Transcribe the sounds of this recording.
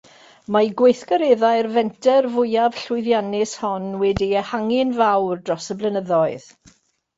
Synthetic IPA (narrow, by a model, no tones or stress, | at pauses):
maɡwejθkɔɾeðaɨrvɛntʰɛrvʊjav̥ɬʊɨðjanɪshɔnwɛdiəhaŋɪnvawrdrɔsəblˠənəðɔɨð